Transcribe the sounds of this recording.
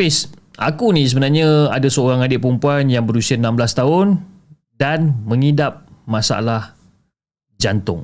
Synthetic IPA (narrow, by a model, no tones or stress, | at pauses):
ɪsʔa̰kunĩs̬əbənarɲãadasəoɾaŋadɪʔpəɾumpuanjaŋbəɾusianãmbəlast̪aɦʊn | danmə̃ŋidap̚masaa̰lah | d͡ʒant̪ʊ̰ŋ